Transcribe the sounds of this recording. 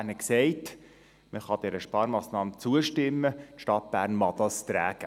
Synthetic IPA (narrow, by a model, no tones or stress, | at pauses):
nəksɛɪt | məχɑd̥̪ɛɾəʃpɑːɾmɑːsnɑːmət͡suəʃtɪmːətʃtɑt̚b̥æːɾnmɑd̪ɑst̪ɾæːɡ̥ə